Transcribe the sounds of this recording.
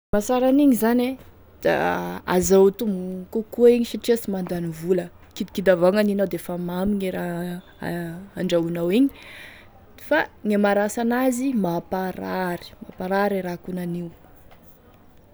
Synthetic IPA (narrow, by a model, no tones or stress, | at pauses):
masaɾaniɲizane | d̪̥a̰a̰zawt̪umkukuiɲiʃaʈ͡ʂieasimand̪anivulə | kid̪ikid̪avaŋaninawd̪efamamiɲeɾa | aɳɖ͡ʐaunawiɲi̥ | faŋamaɾasanazimapaɾaɾi̥mapaɾaɾiɾakunaniw